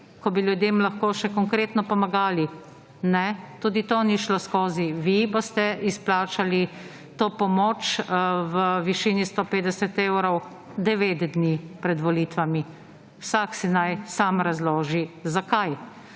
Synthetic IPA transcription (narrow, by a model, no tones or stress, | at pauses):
kɔbiljud̪jeːmlaxkoːʃɛkɔŋkɾeːt̪nɔpɔmaɡaːli | nɛt̪uːd̪it̪oniʃloskoːziʋibost̪ɛisplaːt͡ʃali | t̪oːpɔmoːt͡ʃʋəʋiʃiːnist̪opeːd̪ɛsɛt̪ewɾɔw | d̪ɛʋeːt̪d̪nipɾɛd̪ʋɔlit̪ʋami | wsaksɛnajsamɾazloːʒizakaj